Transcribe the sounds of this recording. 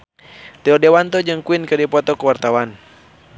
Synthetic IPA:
t̪ɛɔdɛwant̪ɔd͡ʒɨŋkuinkɨdipɔt̪ɔkuwart̪awan

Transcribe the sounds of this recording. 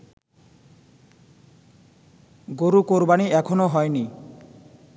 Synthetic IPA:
ɡoɾukoɾbaniʔɛkʰonoɦɔeni

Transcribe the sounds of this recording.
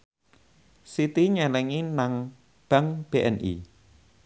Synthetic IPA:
sit̪iɲɛlɛŋinaŋ | b̥a̤ŋb̥eʔɛ̰nʔḭ

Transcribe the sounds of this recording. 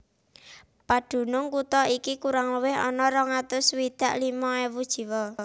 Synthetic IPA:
pad̪̥ṳnʊŋkut̪ɔikikuɾaŋləwɪɦɔ̰nɔɾɔŋat̪ʊswid̪̥a̤ʔlimɔɛwud̥ʒ̥i̤wɔ

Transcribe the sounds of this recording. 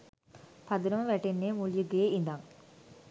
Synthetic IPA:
pad̪uɾəməʋæʈenːeːmuljuɡeːind̪aŋ

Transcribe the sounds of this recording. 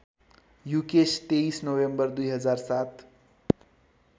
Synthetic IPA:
jukest̪eisnowembʌrd̪ujɦʌd͡zarsat̪

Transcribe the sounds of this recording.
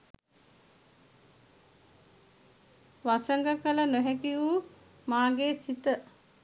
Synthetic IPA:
ʋasəŋɡəkələnoɦækiu | maːɡeːsit̪ə

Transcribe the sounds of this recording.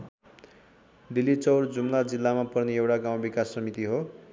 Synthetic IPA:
d̪ilːit͡sʌwrd͡zumlad͡zilːamapʌrneewʈaɡaw̃bikasːʌmit̪iɦo

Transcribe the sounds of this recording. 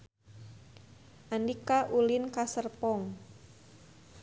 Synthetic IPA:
ʔandikaʔulɪnkasərpɔŋ

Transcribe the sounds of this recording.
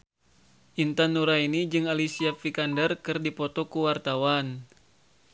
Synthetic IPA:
ʔint̪anːuɾainid͡ʒɨŋalisiafikandərkɨrdipɔt̪ɔkuwart̪awan

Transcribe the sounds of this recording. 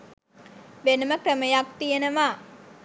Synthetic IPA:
ʋenəməkrəməjakt̪ijənəʋaː

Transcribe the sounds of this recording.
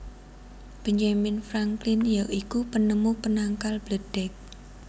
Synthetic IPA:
b̥ə̤ɲd͡ʒamɪnfɾaŋklɪnjaʔikupənəmupənaŋkalb̥ləd̥ɛk̚

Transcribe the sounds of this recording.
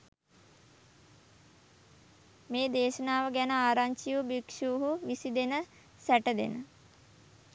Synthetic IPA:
meːd̪eːʃənaːʋəɡænəaːɾaɲt͡ʃijubikʃuːɦuʋisid̪enə | sæʈəd̪ḛnə

